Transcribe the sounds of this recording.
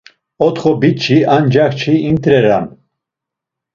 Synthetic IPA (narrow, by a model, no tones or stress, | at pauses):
ɔt̪χɔbit͡ʃʰiand͡ʒakt͡ʃʰiimt̪ʰʼɾɛɾan